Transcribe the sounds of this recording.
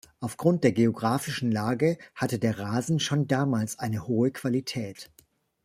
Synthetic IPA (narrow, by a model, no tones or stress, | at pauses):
ʔaʊfɡ̥ʁʊnt̚d̥eːɐɡeoɡʁaːfɪʃn̩laːɡəhatədeːɐʁaːzn̩ʃoːndaːmaːlsʔaɪnəhoːəkv̥alitʰɛːt